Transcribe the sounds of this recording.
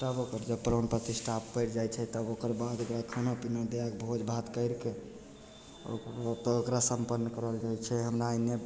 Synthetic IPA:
t̪əbokəɾd͡ʒəbpɾonpɾət̪isʈʰappːəɪɾd͡ʒajt͡ʃʰɛt̪əbokəɾbad̪okɾakʰənopinad̪eak̚bʱod͡ʒbʱat̪kəɪɾke | t̪okɾasəmpənːəkəɾəld͡ʒajt͡ʃʰɛɦəmɾaəne

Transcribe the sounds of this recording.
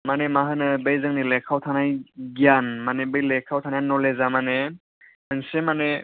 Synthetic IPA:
manemaɦɯnɯbejzɯŋnilekʰawtʰanajɡianmanebɯjlekʰːawtʰanajnɔlezamane | ɯnsemane

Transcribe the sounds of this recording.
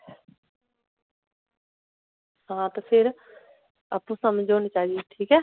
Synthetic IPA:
sãːt̪pʰɪɾ | a̰ːpːũːsaːmẽd͡ʒoːnit͡ʃaːiʈ̪ʰiːkɛː

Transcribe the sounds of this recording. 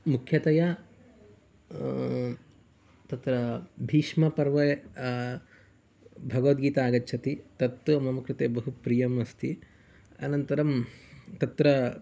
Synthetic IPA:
mukʰjɐt̪ɐjɐ | t̪ɐt̪ɾɐbʱiːʂmɐpɐɾʋɐ | bʱɐɡɐʋɐt̪̚ɡiːt̪aːɡɐtːt͡ʃʰɐt̪it̪ɐt̪ːumɐmɐkɾɪt̪eːbɐɦupɾijɐmɐst̪ʰi | ɐ̰nɐnt̪ɐɾɐmt̪ɐt̪ɾɐ

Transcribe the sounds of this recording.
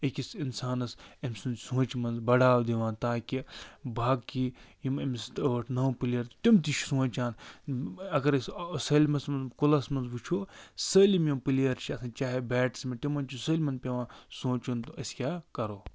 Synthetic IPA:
ikʲisinsaːnɐsɐmʲsunsũːt͡ʃmɐnzbɐɽaːwd̪iʋãːnt̪aːkʲibʱaːɡkijimɐmist̪əːʈʰnɐwpiliɐɾt̪imt̪it͡ʃʰsũːt͡ʃaːn | ɐɡɐɾssɐːlʲmɐsmɐnzkulɐsmɐnzbut͡ʃʰoːsəːlʲimjɐmpɨliɐɾt͡ʃʰiɐsʰãːnt͡ʃaːɦebɛːʈsmet̪imːɐnt͡ʃʰusəːlʲmɐnpʲeʋãːnsõːt͡ʃunt̪uɐsʲkʲaːkɐɾoː

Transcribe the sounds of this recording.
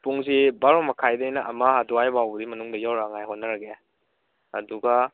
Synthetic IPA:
puŋzibaɾomɐkʰajdɐjnɐʔɐmaɦadɔajbabudimɐnuŋdɐjawɾaŋajɦotnɐɾaɡe | ɐduɡa

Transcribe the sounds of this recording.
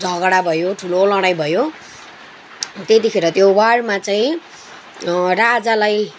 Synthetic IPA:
d͡zʱʌɡɽabʱʌjoʈʰulolʌɽajbʱʌjo | t̪et̪ikʰeɾʌt̪jowaɽmat͡saĩ | rad͡zalaj

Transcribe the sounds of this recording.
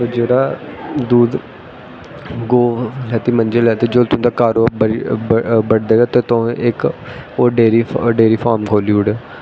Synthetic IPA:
od͡ʒeːɾaːd̪uːd̪ | ɡoːlɛːt̪iːmənd͡ʒəlɛːt̪ed͡ʒot̪ʊ̃d̪akaːɾoːb | bəɽd̪eːɡaːt̪eːt̪õɪkoːɖeːɾiːɖeːɾiːfʰaːɾmkʰoːliːʊɽe

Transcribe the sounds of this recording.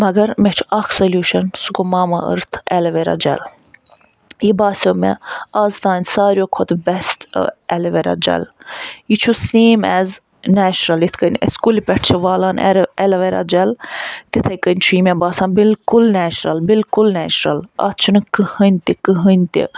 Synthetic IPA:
mɐɡɐɾmet͡ʃʰu̥ɐkʰsɐlʲjuːʃɐnsukomaːmɐʔə̰ɾt̪ʰɛlɐʋeɾa̰ːd͡ʒɛ̰l | jibaːsʲoːmḛɐzt̪aːnʲsaːɾʲjoːkʰot̪ʰbɛstɛlɐʋeɾa̰d͡ʒɐ̰lit͡ʃʰuseːmɛz | næːt͡ʃɾɐlit̪ʰkənʲə̰sʲkulʲipʲɛʈʰt͡ʃʰiʋaːlaːnɛ̰ɾɛlɐʋeɾa̰d͡ʒɐlt̪it̪ʰɐjkənʲt͡ʃʰuimɛbaːsaːnbilkulnæːt͡ʃɾɐlbilkulnɛːt͡ʃɾɐlɐ̰t̪ʰt͡ʃʰunɨkɨhənʲt̪ikɨɦənʲt̪ḭ

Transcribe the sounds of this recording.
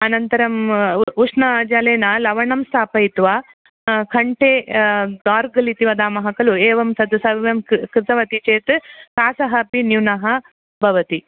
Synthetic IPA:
ɐnɐnt̪ɐɾɐmuʂnɐd͡ʒaːleːnɐlɐʋɐɳɐmst̪ʰaːpɐjt̪ʋa | kʰɐɳʈeːd̪aːɾɡɐlit̪iʋɐd̪aːmɐɦɐkɐlueːʋɐmsɐd̪ɐsɐʋɐʋjɐmkɾɪt̪ɐʋɐt̪it͡ʃeːt̪kaːsɐɦɐpinjunɐɦɐ | bʱɐʋɐt̪i

